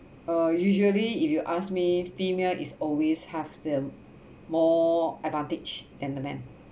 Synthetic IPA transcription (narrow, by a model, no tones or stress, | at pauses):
ajuʒəliifjuʔasmifimelʔḭsɔlweshɛvdə | mɔɛdvãntɪd͡ʒdɛ̃ndəmɛ̰̃n